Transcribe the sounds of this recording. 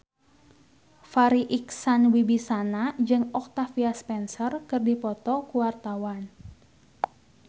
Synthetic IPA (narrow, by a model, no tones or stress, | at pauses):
faɾiʔiksanwibisanad͡ʒɨŋɔk̚t̪afiaspɛnsərkɨrdipɔt̪ɔkuwart̪awan